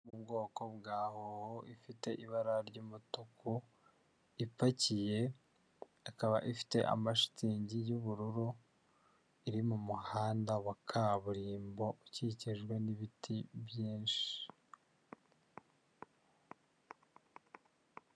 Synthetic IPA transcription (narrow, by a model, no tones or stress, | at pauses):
ubɡo̞ːko̞bɡaːhohoʔifite̞ʔiβaɾaɾɟuːmutuku | ipacije̞ | akaβa̰ʔifi̥te̞̰ʔa̰maʃi̥tʰiːɲɟijuβuɾuɾu | iɾimumuhaːndawakʰaβuɾiːmbo̞ʔuciciʒɡwe̞niβitʰiβjiːnʃi̥